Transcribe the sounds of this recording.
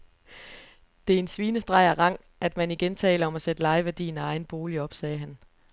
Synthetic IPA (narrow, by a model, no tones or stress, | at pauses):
d̥e̝æɐe̝nsʋiːnəsd̥ʁɑ̈ɪɐʁɑ̈ŋ̰ | ʔæd̥mæniɡ̥ent͡sʰɛ̰ːləɒ̽mæsed̥əlɑ̈ɪʋæɐd̥ḭːn̩æɑ̈ɪn̩b̥o̝ːliɒ̽b̥sɛːɦæn